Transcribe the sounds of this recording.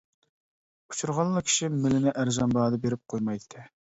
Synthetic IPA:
u̥t͡ʃʰuɾʁɑlˠːɑkʲʰi̥ʃimɪlɪnɪʔæɾzɑnbɑːd̪ɑbeɾɪp̚qʰojmɑjt̪ʰːɨ

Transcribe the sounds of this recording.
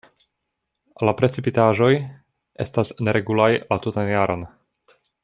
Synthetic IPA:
lapɾe̞t͡sipitaʒo̞j | ʔe̞̰stasne̞ɾe̞ɡulajlatutanjaɾo̞n

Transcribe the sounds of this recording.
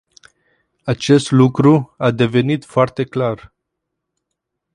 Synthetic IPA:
at͡ʃe̞st̪lukɾuad̪e̞ve̞nit̪foart̪e̞klar

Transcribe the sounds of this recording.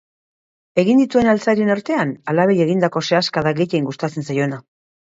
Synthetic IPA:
e̞ɣind̪it̪ue̞nalt͡saɾie̞naɾt̪e̞analaβe̞je̞ɣind̪ako̞se̞askaðaɡe̞jejŋɡust̪at͡se̞nsajo̞ena

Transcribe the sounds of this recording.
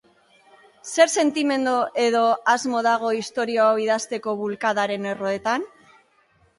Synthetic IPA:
se̞ɾse̞nt̪ime̞nd̪oʔe̞ðo̞azmo̞ðaɣ̞o̞ist̪o̞ɾioawiðast̪e̞ko̞βulkaðaɾe̞ne̞ro̞e̞t̪an

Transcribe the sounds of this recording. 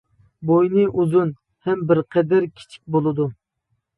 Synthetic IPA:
bojnɨʔuzun | hɛmbɪɾqʰɛd̪ɪɾkʲʰi̥t͡ʃʰi̥k̚ʲbolˠɨd̪u

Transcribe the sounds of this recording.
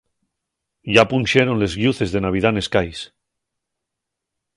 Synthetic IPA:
ʝapunʲʃeɾo̞nle̞zɣjuθe̞zðe̞naβ̞ið̞ane̞skajs

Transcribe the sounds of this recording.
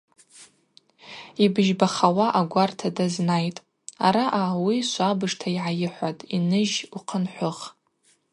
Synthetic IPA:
ibɨʒbaχawaʔaɡʷartʰadaznajtʼ | aɾaʔawiʃʷabɨʂtʰaiʕajɪħʷatʼinɨʒuqʰənħʷʊχ

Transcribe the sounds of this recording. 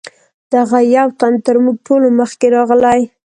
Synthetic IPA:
d̪̥aɣajawt̪ant̪əɾmuɡ̚ʈoloməxkeɾɑɣlaj

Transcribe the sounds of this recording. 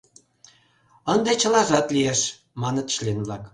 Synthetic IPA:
ənd̪et͡ɕə̆lɑʒɑt̪lieʃ | mɑnət̪ʃlenvlɑk

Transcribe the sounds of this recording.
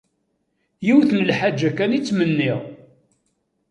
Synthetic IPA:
jiwθnəlħad͡ʒːækænit͡sːmənːiʁ

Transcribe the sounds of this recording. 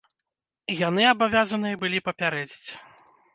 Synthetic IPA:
janɨabavʲazɐnɨjɐbɨlʲipɐpʲaɾɛd͡zʲit͡sʲ

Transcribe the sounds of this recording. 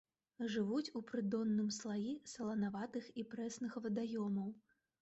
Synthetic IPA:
ʐɨvut͡sʲupɾɨd̪ɔnːɨmslˠajisɐlˠɐnavat̪ɨxipɾɛsnɨxvɐd̪ajɔmɐw

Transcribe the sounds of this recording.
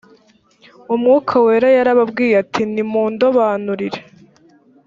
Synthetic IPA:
umŋuːkʰawe̞ːɾajaɾaβabɡiːjatʰinimuːndoβaːnuɾiɾe

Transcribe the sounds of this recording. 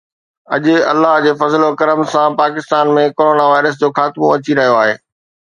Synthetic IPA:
ɐʄʊ̆ɐ̰lːaɦd͡ʑeːfɐzlokɐɾəmsãpaːkɪst̪aːnmẽkoːɾoːnaʋaːɪɾəs̬d͡ʑoːxaːt̪ɪmõɐt͡ɕiɾɐɦijoaːɦeː

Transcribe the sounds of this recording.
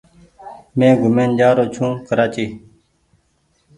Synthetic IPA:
mẽːɡʱʊmẽːnd͡ʒaːɾoːt͡ʃʰũːkəɾaːt͡ʃiː

